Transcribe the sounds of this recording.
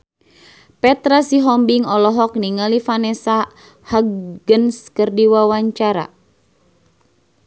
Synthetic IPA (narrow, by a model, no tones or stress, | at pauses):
pɛt̪ɾasiɦɔmbiŋɔlɔɦɔk̚niŋalifanɛsa | haɡənskərdiwawaɲt͡ʃaɾa̰